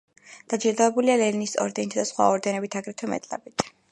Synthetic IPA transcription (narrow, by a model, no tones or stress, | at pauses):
d̪̥ad͡ʒiɾd̪avɛbulialɛɾinisɔ̰ɾd̪ɛnit̪ʰad̪asχwa̰ɔɾd̪ɛnɛbit̪ʰaɡɾɛt̪ʰwɛmɛ̰t̪ʼla̰bit̪ʰ